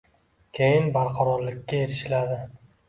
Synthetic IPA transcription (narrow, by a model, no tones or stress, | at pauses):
kʲʰejɪnbaɾqʰɑɾɒɾlɪkʲːae̞ɾɪʃɪlad̪ɪ